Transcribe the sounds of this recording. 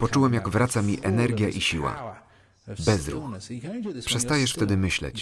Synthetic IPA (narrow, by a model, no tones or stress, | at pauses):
pɔt͡ʂuwɛmjaɡvɾat̪samʲiʔɛnɛɾɡʲjaʔiɕiwa̰ | bɛzɾṵx | pʂɛst̪ajɛʂft̪ɛd̪ɘmɘɕlɛ̰t͡ɕ